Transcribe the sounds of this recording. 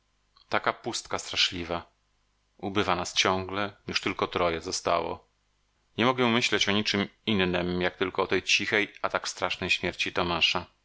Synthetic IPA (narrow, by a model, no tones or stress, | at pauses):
t̪akapust̪kast̪ɾaʂlʲiva | ubɘvanast͡ɕɔ̃ŋɡlɛɲuʂt̪ɘlkɔt̪ɾɔjɛzɔst̪a̰wɔ̰ | ɲɛmɔɡɛmɘɕlɛt͡ɕɔɲit͡ʂɘminːɘmjak̚t̪ɘlkɔːt̪ɛjt͡ɕixɛjat̪akst̪ɾaʂnɛjɕmʲjɛɾt͡ɕit̪ɔmaʂa